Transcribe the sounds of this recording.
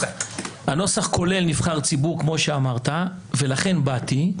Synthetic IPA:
hano̞saχkʰo̞le̞lnivχaʁt͡sibuʁkmo̞ʃeamaʁt̪a | ve̞laχe̞nbati

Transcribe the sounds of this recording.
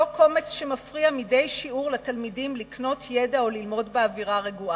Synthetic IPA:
oko̞met͡sʃemafʁiamide̞jʃiuʁlat̪almidimlikno̞t̪ʰjedaolilmo̞dbeaviʁaʁeɡua

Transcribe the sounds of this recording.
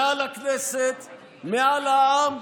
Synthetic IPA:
ãːlɐkʰleset̪ | maːlam

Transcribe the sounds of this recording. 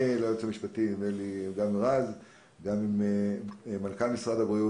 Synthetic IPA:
laot͡shamiʃpat̪imeliɡamʁaz | ɡamim | malkalmisʁad̪abʁiu

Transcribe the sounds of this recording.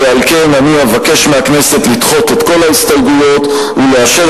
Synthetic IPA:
ealke̞naniavake̞ʃmeakne̞se̞t̪lit̪χo̞te̞t̪ko̞laist̪alɡujo̞t̪ | uleaʃe

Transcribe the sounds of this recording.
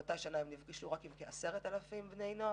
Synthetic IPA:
otajʃanaemnivɡiʃuʁakimkeaseʁetalafimbnejnoa

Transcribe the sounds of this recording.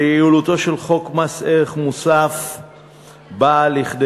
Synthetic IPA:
jiulut̪o̞ʃe̞lχo̞kmaseʁeχmusaf | baliχd̪

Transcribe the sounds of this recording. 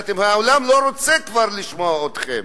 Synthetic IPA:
t̪emhaolamloʁot͡sɛkvaʁliʃmoaot̪χḛm

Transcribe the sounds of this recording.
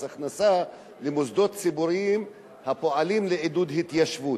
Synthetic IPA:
aχnasa | lemozd̪o̞t̪t͡sibuɾiim | hapo̞alimleʕid̪ud̪hit̪jaʃvu

